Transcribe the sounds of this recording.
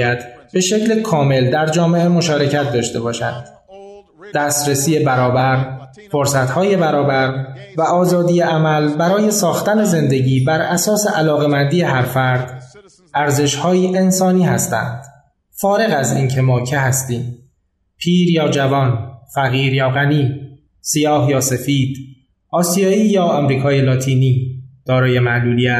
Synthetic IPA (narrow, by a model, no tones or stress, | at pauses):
jæd̪̥be̞ʃe̞cʰlekʰɒːme̞ld̪æɾd͡ʒɒːme̞ʔe̞mo̞ʃɒːɾe̞cʰæt̪̚d̪ɒːʃt̪e̞bɒːʃæ̰nd̪̥ | d̪̥æːst̪ɾesiːje̞bæɾɒːbæɾ | foɾsæt̪hɒːje̞bæɾɒːbæɾvæʔɒːzɒːd̪ijeʔæmælbæɾɒːje̞sɒːxt̪æne̞ze̞nd̪e̞ɟiːbæɾʔæsɒːseʔælɒːɣemænd̪iːe̞ɦæɾfæɾd̪ | æɾze̞ʃhɒːjiːʔe̞nsɒːniːhæst̪æ̰nd̪̥ | fɒːɾe̞ɣæziːncʰe̞mɒːcʰe̞ɦæst̪iːm | pʰiːɾjɒːd͡ʒævɒːnfæɣiːɾjɒːɣæniː | sijɒːhjɒːse̞fiːd̪̥ | ʔɒːsijɒːiːjɒːemɾiːkʰɒːjelɒːt̪ʰiːniːd̪̥ɒːɾɒːje̞mæʔluːlijæt̪